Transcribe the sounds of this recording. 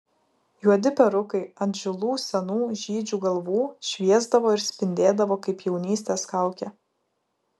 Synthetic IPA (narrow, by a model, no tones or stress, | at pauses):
juɔd̪ʲɪpʲɛɾʊkɐɪɐnd̪ʲʒʲʊlˠuːsʲɛnuːʒʲiːd͡ʒʲuːɡɐlˠʋuːʃʲʋʲiɛzd̪ɐʋoːɪɾsʲpʲɪnʲd̪ʲeːd̪ɐʋoːkɐɪpjɛʊnʲiːsʲt̪ʲeːskɐˑʊkʲɛ